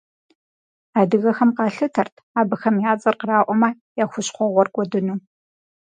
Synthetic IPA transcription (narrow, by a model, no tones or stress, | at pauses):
aːdɨɣɐxɐmqɑːɬɨtʰɐrtʰaːbɨxɐmjaːt͡sʼɐrqəraːʔʷɔmaː | jaːxʷʊɕχʷɔʁʷɔrkʷʼɔdɨnuː